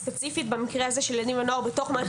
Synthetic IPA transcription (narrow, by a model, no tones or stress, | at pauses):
pet͡sifitbamikʁeazeʃelenivanoaʁbeto̞χma